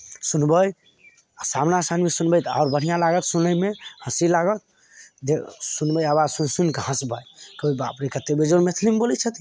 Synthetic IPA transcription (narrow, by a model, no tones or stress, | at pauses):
sunbəj | samnasanmesunbəjt̪aːɾbəɽ̤ijãlaɡət̪sunəjmehə̃silaɡət̪̚ | d̪esunbəjabad͡ʒsunsunkɦə̃sbajkəibapɾikət̪ebed͡ʒonmet̪ʰlimbolət͡ʃʰət̪i